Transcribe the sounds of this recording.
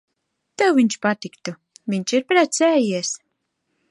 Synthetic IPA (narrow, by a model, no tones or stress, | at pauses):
t̪ɛwviɲt͡ʃpat̪ikt̪u | vʲiɲʲt͡ʃiɾpɾɛt̪sʲɛːjiɛs